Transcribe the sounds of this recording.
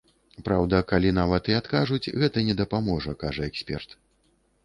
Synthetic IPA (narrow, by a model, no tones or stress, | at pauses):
pɾawd̪ɐkalʲinavɐt̪iat̪kaʐut͡sʲɣɛt̪ɐnʲɛd̪ɐpamɔʐɐkaʐɐɛksʲpʲɛ̰rt̪